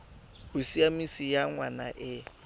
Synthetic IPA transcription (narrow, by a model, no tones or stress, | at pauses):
hʊsiamisijaŋwanaʔɪ